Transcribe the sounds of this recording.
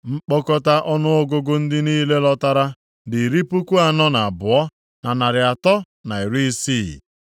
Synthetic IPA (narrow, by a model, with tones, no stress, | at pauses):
ŋ͡m̩˦k͡pɔ˦kɔ˦ta˦ʔɔ˦nʊ˦o˦ɡʊ˦ɡʊ˦n̩˦dɪ˦niː˦le˦lɔ˦ta˦ɾa˦ | dɪ˨ɾi˦pu˦ku˦a˦˨nɔ˦na˨a˨bʊ˨ɔ˦ | na˨na˨ɾɪ˨a˨tɔ˦ | na˨i˨ɾi˦siː˦˨